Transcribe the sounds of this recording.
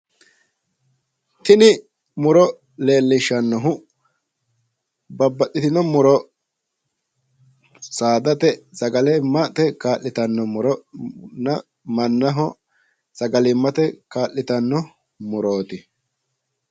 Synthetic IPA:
t̪ɪnɪ | mʊɾɔ | le̞ːlːɪʃːɐnːɔɦʊ | bɐbːɐʔɪt̪ɪnɔmʊɾɔ | saːd̪ɐt̪ɛsɐɡɐlɛmːɐt̪ɛkaːʔɪt̪ɐnːɔmʊɾɔnɐ | mɐnːɐɦɔ | sɐɡɐlɪmːɐt̪ɛkaːʔːɪt̪ɐnːɔ | mʊɾoːt̪ɪ

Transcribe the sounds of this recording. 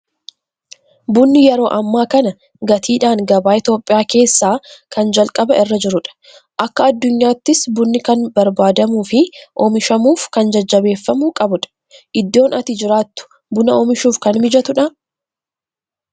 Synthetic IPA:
bʊnːɪjɛɾo̞ːʔɐmːaːkɐnɐ | ɡɐt̪ʰiːᶑaːŋɡɐbaːɪt̪jo̞ːpʼɪjaːke̞ːsːaːkɐnd͡ʒɐlkʼɐbɐʔɪrːɐd͡ʒɪɾʊᶑɐ̥ | ʔɐkːɐːd̪ːʊɲːaːt̪ːɪsbʊnːɪkɐnbɐɾbaːd̪ɐmuːfɪʔɔmɪʃɐmuːfkɐnd͡ʒɐd͡ʒːɐbe̞ːfːɐmukʼɐbʊᶑɐ̥ | ʔɪd̪ːo̞ːnʔɐt̪ɪd͡ʒɪɾaːt̪ːʊ̥ | bʊnɐomɪʃuːfkɐnmɪd͡ʒɐt̪ʊᶑɐ

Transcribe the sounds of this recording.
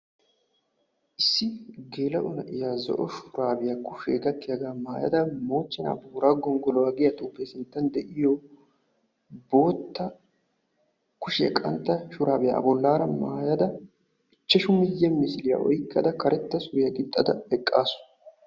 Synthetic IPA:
ʔɪsːɪɡe̞ːlɐʔʊnɐʔɪjaːzɔ̰ʔɔʃʊɾaːbɪjɐkʊʃḛːɡɐt̪ːɪjɐɡaːmaːjɐ̰d̪ɐmo̞ːt͡ʃːɛna̰buːɾaːɡɔŋɡɔlɔwaːɡɪjɐt̪ʼuːpːesɪnt̪ːɐnd̪ɛʔɪjo | bo̞ːt̪ːɐ | kʊʃɪjɐ̰kʼɐnt̪ːɐʃʊɾaːbɪja̰ɐ̰bɔlːaːɾɐmaːjɐd̪ɐ | ɪt͡ʃːɛʃʊmɪjːɐmɪsɪlɪjɐ̰ʔɔjɪkːɐ̰d̪ɐkɐɾɛt̪ːɐsʊjɐɡɪt̪ʼːɐd̪ɐbɛkʼːaːsʊ̥

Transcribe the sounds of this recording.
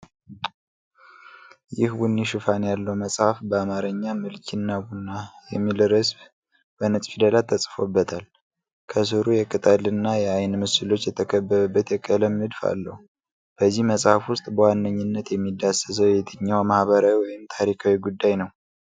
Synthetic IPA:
jɪhwunːiʃɨfanjalːəwməsʼhafbəamaɾəɲːamɨlkʰinːabunːajɛ̰mːilɨɾəsb | b̥ənɨsʼfid̪əlat̪ʰːəsʼfobːət̪ʰal | kʰəs̬ɨɾujɛkʼɨt̪ʼalɨnːajɛajnmɨsɨlo̞t͡ʃːjɛt̪ʰəkʰəbːəɾəbːət̪jɛkʼələmnɨd̪fa̰lːə̰hu | b̥əzːihməsʼhafwʊst̪ʼbəwanːəɲːɪnːət̪jɛmːid̪ːasəsəwjɛt̪ʰɨɲːawmahβəɾawiwɔjɪmt̪ʰaɾikʰawiɡud̪ːajnəw

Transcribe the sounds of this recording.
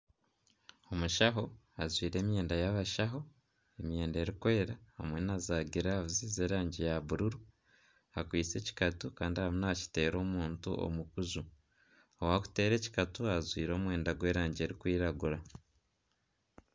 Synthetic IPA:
o̞muʃaɦo̞azwiːɾe̞ːmje̞ːndajaβaʃaɦo̞ | emje̞ːnde̞ːɾikwe̞ːɾahamwe̞nazaːɡiɾaaβuzizeːɾaːɲɟijaβuɾuɾu | akwiːt͡se̞ːci̥katukaːndihaβunaaci̥te̞ːɾo̞ːmuːntṵo̞̰mukuzu | owaku̥te̞ːɾe̞ci̥katuazwiːɾo̞ːmwe̞ːndaɡwe̞ːɾaːɲɟe̞ːɾikwiːɾaɡuɾa

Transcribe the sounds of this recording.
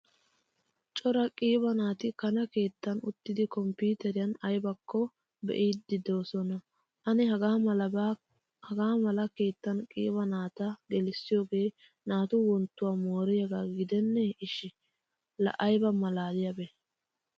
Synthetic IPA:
t͡ʃʼɔɾɐkʼiːβɐnaːt̪ɪkɐnɐke̞ːt̪ːɐnʊt̪ːɪd̪ɪkɔmpuːt̪ɛɾɪjɐnɐjbɐkʰːɔ | bɛ̰ʔiːd̪ɪd̪o̞ːsɔnɐ | ʔɐnɪhɐɡaː | hɐɡaːmɐlɐke̞ːt̪ːɐnkʼḭːbɐnaːt̪ɐɡɛlɪsːɪjoːɡe̞ː | naːt̪ʊwɔnt̪ːʊwaːmoːɾɪjɐɡaːɡɪd̪ɛnːɛɪʃɪ | lɐ̰ʔɐjbɐmɐlaːd̪ɪjɐbɛ

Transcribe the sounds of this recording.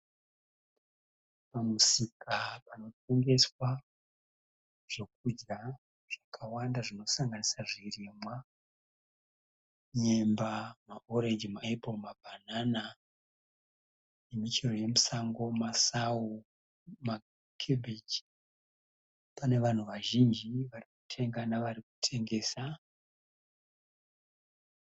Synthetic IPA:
pamusikapano̞t̚ʰe̞ŋɡe̞swa | ʐ̥e̞k̚ud͡ʒɡa | ʐ̥akʰawandaʐino̞saŋɡanisaʐirimwa | ɲe̞mbamaʔoɾed͡ʒimaepomabʱanana | jemit͡ʃero̞je̞musaŋɡo̞masawu | ma | kʰebʱet͡ʃ | pane̞ʋan̤uʋaʒind͡ʒiʋarikutʰe̞ŋɡanaʋariku̥tʰe̞ŋɡe̞ːsa

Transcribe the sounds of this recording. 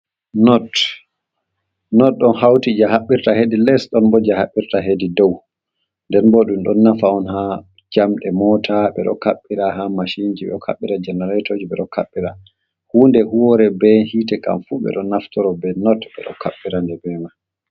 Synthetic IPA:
nɔt | nɔt̚ɗɔnhawtid͡ʒahaɓːiɾtahedilɛsɗɔnbɔd͡ʒahaɓːiɾtaɦedidɔw | ndɛnbɔɗumɗɔnːafaɔnha | d͡ʒamɗɛmɔtʰaɓɛ̰ɗɔ̰kaɓːiɾaɦamaʃind͡ʒibɛ̰ɗɔkʰa̰ɓːiɾad͡ʒɛnɛɾatʰod͡ʒiɓɛɗɔkʰaɓːiɾa̰ | huːndɛhuwɔɾɛbɛhiːtɛka̰mfuɓɛ̰ɗɔnaftɔɾɔbɛnɔtɓɛ̰ɗɔ̰kʰaɓːiɾandɛbɛma

